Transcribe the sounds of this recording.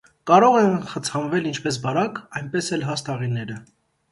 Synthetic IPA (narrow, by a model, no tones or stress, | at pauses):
kɑɾɔʁɛnχət͡sʰɑnvɛlint͡ʃʰpɛs̬bɑɾɑkɑjnpɛsɛlɦɑst̪ɑʁinɛɾə